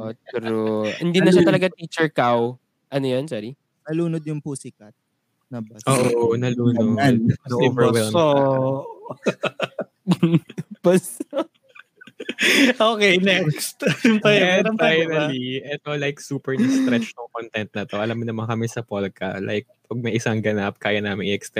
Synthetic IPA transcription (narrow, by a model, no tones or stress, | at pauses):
ʔot̪ɛɾohɪnd̪inɐʃat̪ɐlɐɡat̪iːt͡ʃɛɹkaw | ʔɐnojont͡ʃɛɾi | nɐluːnod̪jʊŋpusɪkɐt̪̚ | nɐbɐʔoːʔonɐluːnoɐivɛwɛlmo | b̥ɐs | ʔoːkejnɛkst̪fɐjɛɐfajnɐliʔɛt̪olajk̚suːpɛɹnɐst̪ɾɛt͡ʃt̪ʊŋkont̪ɛnt̪̚nɐt̪o̞ʔɐlamːɪnɐmɐnkɐmɛsɐpolkɐ̰lʔa̰jk̚pɐɡ̚mɐjʔɪsaŋɡɐnap̚kaːjɐnaːmɪŋɪʔɛkst̪ɛ